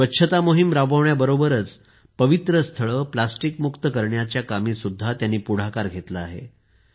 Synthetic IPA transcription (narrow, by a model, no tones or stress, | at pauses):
ʋəːɕʰət̪amoɦimɾabʱəʋɳjabəɾobəɾət͡s | pəʋit̪ɾəst̪ʰəɭəːplasʈikmukt̪əkəɾɳjat͡ɕjakamiːsud̪ʱːat̪janːiːpuɽ̤akaɾɡʱet̪laaɦḛ